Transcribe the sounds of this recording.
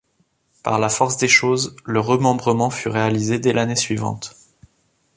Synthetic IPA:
pa̰ʁlafɔʁsd̪eʃozləʁəmɑ̃bʁəmɑ̃fyʁealized̪ɛlʔanesɥivɑ̰̃t̪

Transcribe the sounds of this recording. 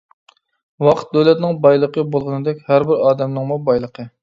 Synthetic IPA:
wɑqʰə̥t̪̚d̪øwlɛt̪nɪŋbɑjlˠəqʰəbolˠʁənɨd̪ɛkʲhæɾbɪɾɑːd̪ɛmnɨŋmubɑjlˠəqʰə

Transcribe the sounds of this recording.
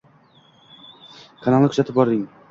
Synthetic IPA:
kʰanɑlˠnɪkʰʊ̥zat̪ʰɪp̚bɒɾd̪ɪŋ

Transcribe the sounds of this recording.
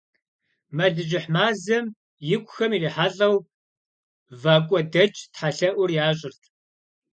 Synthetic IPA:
mɐɮɨʑɪħmaːzɐm | jɪkʷʼʊxɐmiːriːħaɮɐw | vaːkʷʼɔdɐt͡ʃʼtħaɬɐʔʷʊrjaːɕʼɪrtʰ

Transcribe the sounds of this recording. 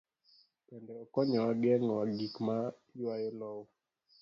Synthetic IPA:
pɛndɛɔkɔɲɔwaɡɛŋɔaɡikma | jwajɔlɔwɔ

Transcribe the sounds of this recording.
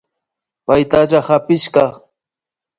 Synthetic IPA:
pajt̪aʒahapɪʃkɑ

